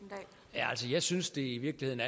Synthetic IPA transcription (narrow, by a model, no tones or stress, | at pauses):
jæælsəjɑ̈ɪsynsd̥e̝iʋiɐɡ̥lihe̝ð̞̰ˠn̩æ